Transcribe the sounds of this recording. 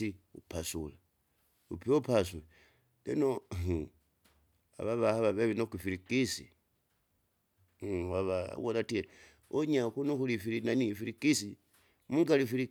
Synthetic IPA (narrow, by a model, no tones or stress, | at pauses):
iupasula | ṵpiopasula | leno | a̰βaβahaβaβeβinokifiɾikisḭ | βaβa̰wolatieɾ | oɲakunuxulifiɾinanifiɾikisi | muŋɡalifiɾi